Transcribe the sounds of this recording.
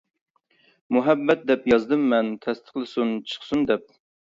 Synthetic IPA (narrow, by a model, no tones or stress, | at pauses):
muɦɛbːɛt̪̚d̪ɛpjɑzd̪ɨmːɛnt̪ʰɛst̪ʰə̥χlˠɨsunt͡ʃʰə̥χsund̪ɛp̚